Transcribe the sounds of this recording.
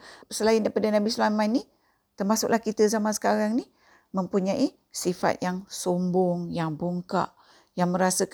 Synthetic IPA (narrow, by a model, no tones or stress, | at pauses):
pəsəlaɪndaipadanabislamanːi | t̪ərmasʊʔlahkit̪əzamansə̥kaɾaŋni | mə̃mpuɲaʔi | sifa̰t̪̚jaŋsombʊŋjaŋbuŋka̰ʔ | jaŋmə̃ɾasək